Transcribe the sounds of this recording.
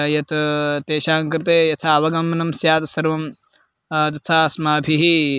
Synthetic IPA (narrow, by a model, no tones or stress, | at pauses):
jɐt̪ʰɐt̪eːʃaːŋkɾɪt̪eːjɐt̪ʰɐɐʋɐɡɐmɐnɐmsjaːt̪ɐsɐɾʋɐm | t̪̬ɐt̪ʰaːsmaːbʱiɦi